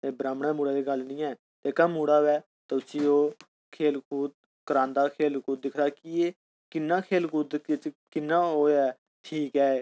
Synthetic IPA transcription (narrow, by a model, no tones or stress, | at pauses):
t̪eːbɾaːmɽãːmuːɽaːd̪eːɡəlnĩːɛː | t̪eːkamuːɽaːʋɛː | t̪ːʊsiːoː | kʰeːlkʰuːd̪̚ | kəɾãːnd̪aːkʰeːlkuːd̪ɪkʰɾaːkieː | kɪnːaːkʰeːlkuːd̪ket͡ʃkɪnːaːoːɛː | ʈʰiːkɛː